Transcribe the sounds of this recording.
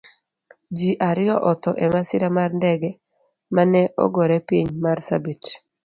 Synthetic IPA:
d͡ʒiʔaɾɪjɔʔɔt̪ɔʔɛmasɪɾamarndɛɡɛ | manɛʔɔ̰ɡɔɾɛpiɲmarsa̰bit

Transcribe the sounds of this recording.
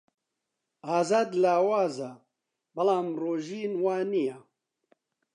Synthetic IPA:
aːzaːd̪laːwaːza | bɐlaːmroːʒiːnwaːnija

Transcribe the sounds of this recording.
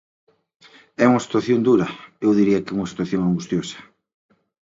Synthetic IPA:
ɛuŋɐsi̥t̪waθjond̪uɾɐewðiɾiɐkɪuŋɐsi̥t̪waθjoŋaŋɡust̪josɐ̥

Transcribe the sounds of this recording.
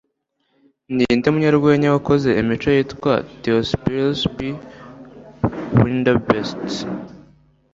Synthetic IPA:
nindemuɲaɾɡwe̞ːɲewako̞ze̞imit͡ʃo̞jiːtkwateospilspi | windabest

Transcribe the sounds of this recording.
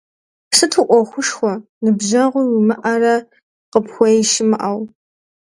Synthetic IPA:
psɨtʰuʔʷɔxʷʊʂxʷɔ | nɨbʑɐʁʷʊwumɨʔɐrɐ | qəpxʷɔjʃɪmɨʔɐw

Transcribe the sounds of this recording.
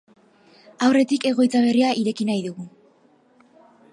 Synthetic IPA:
awre̞t̪ike̞ɣo̞jt͡saβ̞e̞riaʔiɾe̞kinajðuɣu

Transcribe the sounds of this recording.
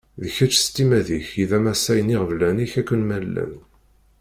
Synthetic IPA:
ðəçæt͡ʃːst̪ːimæðiçiðæmæsæjəniʁəvlæniçækʷːənmælːæ̰n

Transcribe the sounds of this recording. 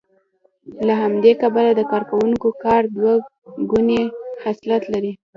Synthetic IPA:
laɦamd̪ekabalad̪əkɑɾkawuŋkokɑɾd̪wa | ɡunehaslat̪laɾi

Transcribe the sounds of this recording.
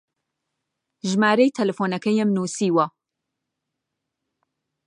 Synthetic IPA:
ʒmaːɾejt̪ʰɐlɛfoːnɐkʰɛjemnuːsiːwɐ

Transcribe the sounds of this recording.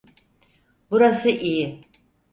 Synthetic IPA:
buɾasɨʔi

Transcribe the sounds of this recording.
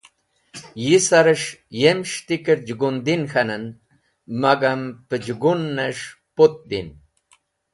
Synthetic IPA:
jisaɾəʃjemʃt̪ikəɾd͡ʒɡund̪inxanan | maɡampəd͡ʒɡunːaʂ | pot̪̚d̪ḭn

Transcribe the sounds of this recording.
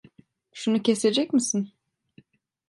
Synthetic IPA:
ʃunucʰese̞d͡ʒɛcmisin

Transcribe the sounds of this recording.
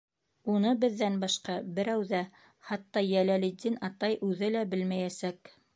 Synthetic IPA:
unɤbɘ̆ðːænbɑʃqɑbɘ̆ɾæwðæ | χɑt̪ːɑjælælid̪ːinɑt̪ɑjʔʉðɘlæbɘlmæjæsæk

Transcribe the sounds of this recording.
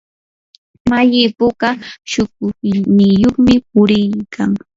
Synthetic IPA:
majɪpʊɢɑʃʊkʊnɪjoχmɪpʊɾɪjkʰaŋ

